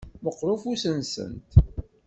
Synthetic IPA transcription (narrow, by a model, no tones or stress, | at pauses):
məqːɾʊfusənsə̰nt̪